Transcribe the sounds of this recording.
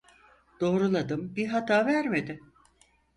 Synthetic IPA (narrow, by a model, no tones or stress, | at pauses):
d̪̥o̞ːɾulˠad̪ɯmbiɦat̪ʰaːvæɾme̞d̪ɪ